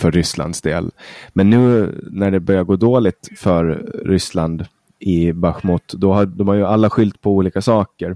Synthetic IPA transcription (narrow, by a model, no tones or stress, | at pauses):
fœɾːʏsla̰nd̪sd̪ḛːlmɛnːʉ̟ːnæɖɛbœɾjaɡoːd̪oːlɪɡ̚t̪fœɾːʏsland̪ | ɪbœɧmut̪d̪ɔɦad̪ɔmhaɾjɵalːaɧʏlt̪pʰɔuːliːkasɑːkəɾ